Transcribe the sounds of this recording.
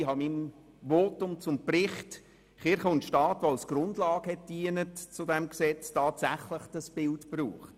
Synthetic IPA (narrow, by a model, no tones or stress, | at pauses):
hɑmim | vɔtʊmt͡sʊmprɪχt | χɪɾχəʊntʃtɑːtʋoalsɡ̥ɾʊndlɑːɡ̥əhɛt̚d̥iːənətt͡sʊdɛmksɛt͡stɑːtsæχləχd̥əsb̥ɪltpruːχt